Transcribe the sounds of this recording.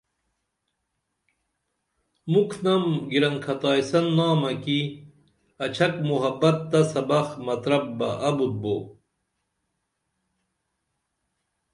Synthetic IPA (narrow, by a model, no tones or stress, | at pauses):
mukʰnɐmɡiɾɐŋkʰɐt̪aːjsɐnːaːmɐki | ɐt͡ɕʰɐkmuɦɐbɐt̪̚ːɐsɐbɐxmɐt̪ɾɐb̚bɐʔɐbut̪̚boː